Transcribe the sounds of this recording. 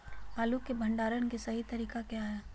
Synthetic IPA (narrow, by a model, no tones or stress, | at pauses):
baːlukːebʱɐ̃ɳɖaːɾənkesɐɦit̪ɐɾiːkakjaɦe